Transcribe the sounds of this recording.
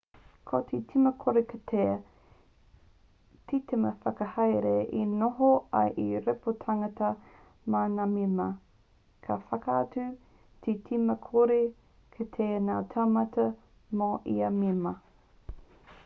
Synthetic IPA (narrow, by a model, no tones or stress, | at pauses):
kʰotʰitʰimɐkʰoɾekʰɐtʰeː | tʰiteməfɐkɐhɐjɾeʔinoɦoɐ̰jʔiɾɛpotʰaŋɐtɐ | manamimɐ | kʰɐfɐkɐat͡sʉ | tʰitʰimɐkʰoɾe | kʰɐtʰeːnaːtʰamɐtʰɐ | moʔḭɐmimɐ